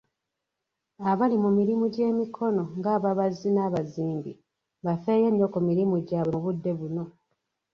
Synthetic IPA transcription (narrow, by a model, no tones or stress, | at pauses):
aβalimumiɾimuɟe̞ːmikʰo̞no̞ŋɡaːβaβazinaβaziːmbi | βafe̞ːjenːokumiɾimuɟaːβeβudːe̞βuno̞